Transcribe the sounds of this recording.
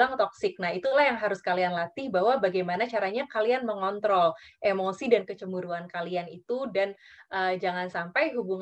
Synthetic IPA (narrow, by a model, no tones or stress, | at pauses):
aŋt̪ɔksɪk̚nahit̪ulahjaŋɦaɾʊskalianlat̪ɪhbaɦwabaɡajmanat͡ʃaɾaɲakalianməŋɔnt̪ɾɔlʔemosidankət͡ʃəmuɾuankalianit̪udanʔəd͡ʒaŋansampajɦubuŋ